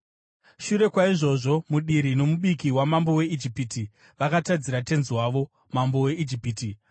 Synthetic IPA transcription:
ʃuɾe̞kwaiʐo̞ʐo̞muɗiɾino̞muɓikiwamambo̞we̞id͡ʒipiti | ʋakatad͡ziɾate̞nziwaʋo̞ | mambo̞we̞id͡ʒipiːti

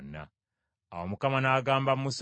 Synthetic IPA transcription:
na̰ | a̰womukamanaːɡaːmbammus

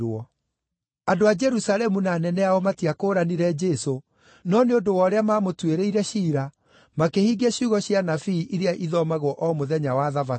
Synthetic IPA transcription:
ɔ | adoad͡ʒɛɾusalɛmunaːnɛnɛaɔmatiakoːɾaniɾɛd͡ʒɛːso | nɔneondowɔɾeamaːmotweɾeiɾɛɕiːɾa | makehiɡeɕuɣɔɕjanafiːʔiɾeaʔiðɔmaɣwɔʔɔmoðɛɲawaðava

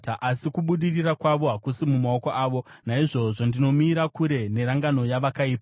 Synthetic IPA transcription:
ʔasikuɓuɗirirakwaʋo̞ɦakusimumao̞ko̞ʔaːʋo̞naiʐo̞ʐondino̞miːɾakuɾe̞ne̞ɾaŋɡano̞jaʋakaiːpa

